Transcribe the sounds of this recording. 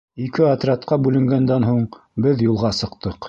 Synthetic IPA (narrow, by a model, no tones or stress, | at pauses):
ikɘɐt̪rʲɑt̪̚qɑbʉlɘ̆ŋɡænd̪ænɦuɴ | bɘðjulˠʁɑsɤ̆qt̪ɤq